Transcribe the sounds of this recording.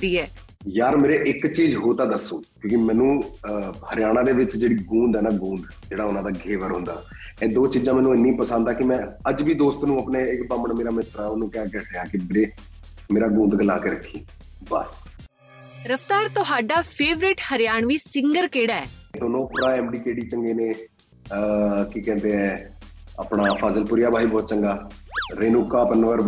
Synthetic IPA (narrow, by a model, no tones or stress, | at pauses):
d̪iːɛː | jaːɾmeːɾeːʔɪkt͡ʃiːzɦoːt̪ãːd̪əsːũːkjõːkimɛ̃ːnũː | həɾɪjaːɽ̃ãːd̪eːʋɪt͡ʃd͡ʒeːɽiːɡũːnd̪ɛːnaːɡũːnd̪ | d͡ʒeːɽaːʊnãːd̪aːɡʱeːʋəɾɦʊ̃nd̪aː | ɛ̃ːd̪oːt͡ʃiːzãːmɛ̃ːnũːɪnːĩːpəsãnd̪aːkɪmɛ̃ːəd͡ʒʋiːd̪oːst̪nũːəpneːɪkbaːməɳmeːɾaːmɪt̪ɾaːʊnũːkɛ̃ːkɛːʈeaːkɪbɾeː | meːɾaːɡũːnd̪ɡəlaːkeːɾəkʰːiː | bə̰s | ɾəft̪aːɾt̪ʊɦaːɖaːpʰeːʋɾɪʈhəɾɪjaːɳ̃ʋiːsɪŋɡəɾkeːɽaɛːd̪oːnõːpɾaːɛːmɖiːkeːɽiːt͡ʃəŋɡeːneː | kɪkɛ̃ːnd̪eːɦɛ̃ːa̰ːpɳaːpʰaːzəlpʊɾjaːbʱaːiːbɔːt̪̚t͡ʃəŋɡaːɾeːnʊkːaːpənʋəɾ